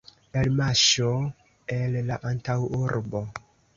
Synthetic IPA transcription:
elmaʃo | elːaʔantawuɾbo

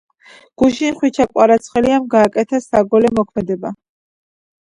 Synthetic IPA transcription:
ɡ̥uʃinχwit͡ʃʰakʼwaɾat̪sʰχɛliamɡaːkʼɛt̪ʰasaɡɔlɛmɔkʰmɛd̪ɛba

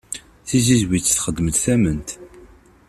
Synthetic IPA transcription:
θizizwit͡sːθχəd̪ːəməd̪θæmənt̪

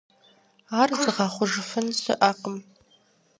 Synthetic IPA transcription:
aːrzɨʁɑχʷʊʒɨfɨnsɨ̰ʔaːqəm

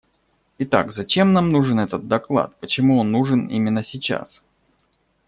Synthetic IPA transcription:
ɪt̪a̰kzɐt͡ɕe̞mnamnuʐɨnɛt̪ət̪̚d̪ɐklˠa̰t̪̚pət͡ɕɪmuonːuʐɨnḭmʲɪnːəsʲɪt͡ɕa̰s

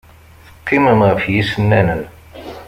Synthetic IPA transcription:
θə̥qːiməmʁəfjisənːænən

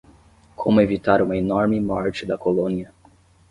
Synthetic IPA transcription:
kʰomʊevit̪aɾũmɐenɔɾmɪmɔɾt͡ʃɪd̪ɐkolõniɐ

